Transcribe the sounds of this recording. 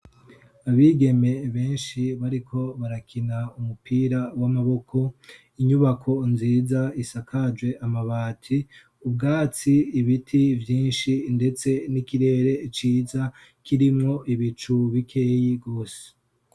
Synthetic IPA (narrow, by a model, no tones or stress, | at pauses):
aβiɡe̞me̞βe̞ːnʃiβaɾikʰo̞βaɾakʰinaumupiːɾawamaβo̞kʰo̞ | iɲuβakʰo̞nziːzaisakʰad͡ʒwe̞ʔamaβaːtʰi | ub̚ɡaːt͡siːβitʰivjiːnʃinde̞t͡se̞nikiɾe̞ːɾe̞it͡ʃiːza | kiɾimŋo̞ʔiβit͡ʃuβikʰe̞ːjiɡo̞ːse̥